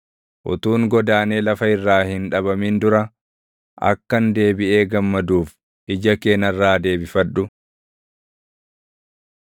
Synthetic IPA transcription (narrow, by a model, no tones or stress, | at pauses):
ʔʊ̰t̪uːŋɡɔd̪aːneːlɐfɐɪrːaːhɪnᶑɐbɐmiːnd̪ʊɾɐ | ʔɐ̰kːɐnd̪e̞ːbɪʔe̞ːɡɐmːɐd̪uːf | ɪd͡ʒɐke̞ːnɐrːaːd̪e̞ːbɪfɐᶑʊ